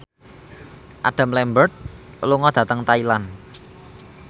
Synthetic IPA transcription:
ʔa̰ɖ̥a̤mlɛmbərt̪̚ | luŋɔd̪̥ä̤t̪əŋt̪ailan

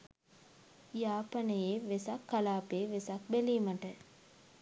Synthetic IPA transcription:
jaːpanəjeʋesakːalaːpeːʋesak̚beliːmaʈə

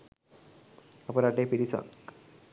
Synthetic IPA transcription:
əpəɾaʈepiɽisa̰k

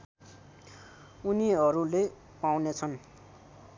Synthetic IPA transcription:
uniʌɾule | pawnet͡sʰʌn

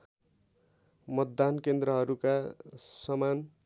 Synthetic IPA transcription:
mʌt̪̚ːankend̪ɾʌɦʌɾukasʌman

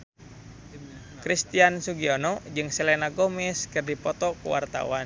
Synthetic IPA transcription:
kɾist̪iansuɡiɔnɔd͡ʒɨŋsɛlɛnaɡomɛskɨrdipɔt̪ɔkṵwa̰rt̪a̰wan

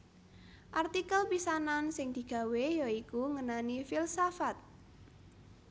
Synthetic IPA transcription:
ʔart̪ikəlpisanansɪŋd̪̥i̤ɡ̥a̤wejɔikuŋənanifilsafat̪̚

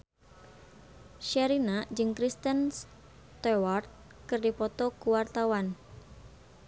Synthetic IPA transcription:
ʃaɾinad͡ʒɨŋkɾist̪əns | t̪ɛwart̪̚ | kɨrdipɔt̪ɔkuwart̪awan

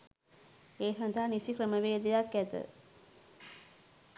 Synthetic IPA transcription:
eːɦɐnt̪aːnisikɾɐmɐʋeːd̪ɐjakːɛt̪ɨ̰

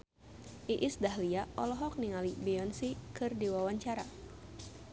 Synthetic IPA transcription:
ʔiʔisdaɦliaʔɔlɔɦɔk̚niŋalibiɔnsikɨrdiwawaɲt͡ʃaɾa

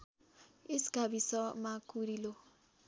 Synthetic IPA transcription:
isi̥ɡ̥ʱabisɔmakuɾilo

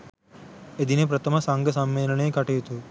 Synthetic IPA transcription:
ed̪inepɾɐt̪ʰəməsaŋɡəsɐmːeːləɳekaʈiɦt̪u

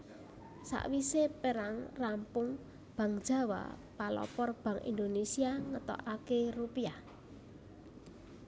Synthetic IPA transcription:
sa̰ʔwisepeɾaŋrampʊŋ | b̥ä̤ŋd̥ʒ̥a̤wa̰palɔ̰pɔrb̥ä̤ŋʔḭnd̪onesiaŋət̪ɔ̰ʔakerupia

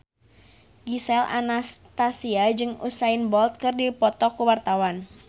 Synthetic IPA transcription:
ɡisɛla̰nast̪asiad͡ʒɨŋṵsaɪnbɔlt̪̚kɨrdipɔt̪ɔkuwart̪awan

